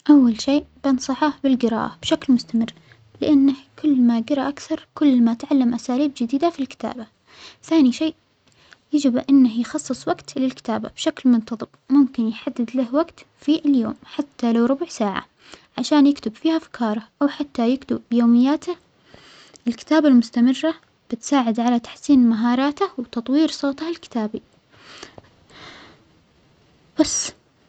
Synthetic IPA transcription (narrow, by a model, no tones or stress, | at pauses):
ʔawːalʃeːʔbɑnsˤɑħɑbɪlɡɪɾɑ̰ːʔa̰b̥ʃaklmʊst̪amɪrː | lɪʔanːahkʰʊlːmaɡɑɾˤɑʔakθɑɾˤkʊlːmat̪ʕalːamʔasaːliːbd͡ʒɪd̪iːd̪afilkɪ̥t̪a̰ːba | θaːniʃeːʔ | jad͡ʒɪbʔɪnːahjxɑsˤːɨsˤwaɡt̪lɪlkɪ̥t̪aːba̰b̥ʃaklmʊnt̪ɑðˤɨbmʊmkɪnjħad̪ːɪd̪lahwaɡt̪ | fiʔljoːmħat̪ːalawɾʊbʊʕsaːʕa̰ | ʕaʃaːnjɪkt̪ɪbfiːhaʔfkʰɑːɾˤɑʔawħat̪ːajakt̪ʊbːjoːmɪjːaːt̪a | ʔɪlkɪ̥t̪aːbalmʊst̪amɪrːa | b̥ɪt̪saːʕɪd̪ʕalat̪ḁħsiːnmaɦɑːɾˤɑːt̪ahwt̪ɑt̪ˤwiːɾsˤoːt̪ahɪlkɪ̥t̪aːbi | b̥asː